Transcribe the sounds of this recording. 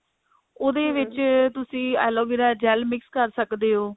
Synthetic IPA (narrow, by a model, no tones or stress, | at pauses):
oːd̪eːʋɪt͡ʃt̪ʊsĩːɛːloːbiɾaːd͡ʒɛːlmɪkskəɾsəkd̪eːɦoː